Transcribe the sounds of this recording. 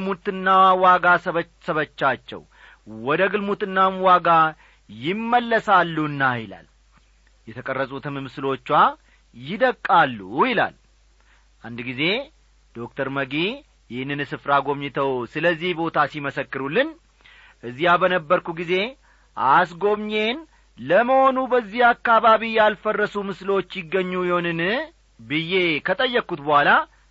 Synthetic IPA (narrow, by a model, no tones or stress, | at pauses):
mut̪ɨnːawaɡasə | səβət͡ʃːat͡ʃːɛ̰w | wɔd̪əɡɨlmut̪ɨnːamwaɡa | jɪmːəlːəsalːuɨnːajɪla̰l | jɛt̪ʰəkʼərːəsʼut̪ɨmɨmɨsɨlo̞t͡ʃːwa | jɪd̪əkʼːalːujɪla̰l | ʔand̪ɡize̞ | d̪̥o̞k̚t̪ʰəɾməɡi | jɪhɨnːɨnsɨfɾaɡo̞mɲɪt̪ʰəwsɨləzːihbo̞t̪ʰasiməsəkːɨɾulːɨn | ʔɨzːijabənəbːəɾkuɡize̞ | ʔas̬ɡo̞mɲe̞n | ləməho̞nubəzːihakːaβaβijalfərːəsumɨslo̞t͡ʃːjɪɡːəɲːujɪhonɨn | bɨjːe̞kʰət̪ʼəjːəkːut̪bəhala